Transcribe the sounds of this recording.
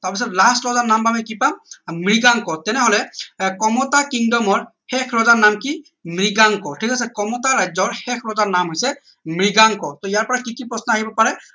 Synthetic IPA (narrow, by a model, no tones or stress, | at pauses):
taɹpis̬ɔtlastɹɔzanambamɛkipammɹiɡaŋkɔtɛnɛɦɔlɛkɔmɔtakiŋdɔmɔɹhɛkʰɹɔzanamki | mɹiɡaŋkɔtʰikasɛkɔmɔtaɹajzɔɹxɛkʰɹɔzaɹnamɦojsɛ | mɹiɡaŋkɔtɔijaɹpɔɹakikipɹɔsnɔaɦibɔpaɹɛ